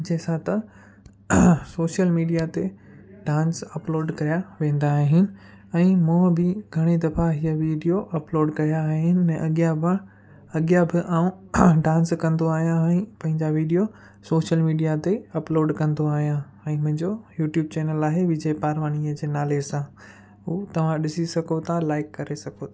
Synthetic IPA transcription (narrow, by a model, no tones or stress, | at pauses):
d͡ʑeːsãt̪ɐ | soːʃjəlmiːɖijat̪e | ɖãːnsɐploːɖkɐɾijaʋẽːn̆d̪aɦɪnɪ̆ | ɛ̃ːmũːbɪɡʱɐɽ̃ed̪ɐfaɦiəʋiːɖijoʔɐploːɖkɐjaɦɪnɪ̆ɛ̃ʔɐɠija | ɐɠjabɪʔaːũɖãːnskɐ̃nd̪oaːɦijãɛ̃ːpɐ̃ɦɪ̃ɲd͡ʑaʋiːɖijo | soːʃəlmiːɖijat̪eɐploːɖkɐ̃nd̪oaːɦijã | ɛ̃ːmʊ̃ɦɪ̃ɲd͡ʑojuːʈjuːb̚t͡ɕeːnəlaːɦeʋɪd͡ʑəjpaːɾʋaːñiəd͡ʑeːnaːlesã | uːt̪ɐʋ̤ãɗɪsisɐɡot̪ʰalaːɪkːɐɾesɐɡʰʱot̪ʰː